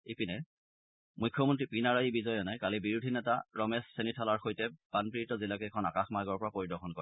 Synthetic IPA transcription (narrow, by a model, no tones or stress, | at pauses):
epinɛ | mujkʰːɔmɔntɹipinaɹaibizɔjɔnajkalibiɹudʱinɛtaɹɔmɛsːenitʰalaɹxojtɛb̥anpiitɔzilakɛːkʰɔnakaxmaɡɔɹpɔɹapoɹidɔxɔnkɔɹɛ